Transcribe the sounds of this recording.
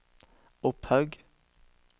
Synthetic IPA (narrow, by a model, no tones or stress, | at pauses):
ʊphœʉɡ